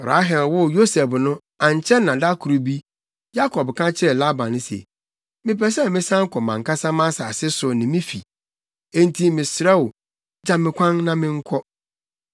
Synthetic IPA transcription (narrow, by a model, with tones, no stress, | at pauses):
bɾa̰˦ɦɛ˨lwʊ˦jo˦sɛ˨bnʊ̃˦ | ã˨ɲ˨t͡ɕʰɛ˦nã˨da˦kʰu˨ɾu˨bi˦ | ja˦kʰɔ˨bkʰã˦t͡ɕʰɪ˦ɛ˨la˦bã˨nɪ̃˦sḛ˨ | mɪ̃˨pɛ˨s̬ɛ˦˨mɪ̃˦sã˦ŋ̩˦kʰɔ˨mã˨ŋka˦sã˦mã˦sa˨sɪ˦sʊ˨nɪ̃˨mɪ̃˦fḭ˨ | ẽ˦n˦tʰi˦mɪ̃˨sɾɛ˦wʊ˨ | d͡ʑã˦mɪ̃˨kʷʰã˦ŋnã˦mɪ̃˦ŋ̩˦kʰɔ˦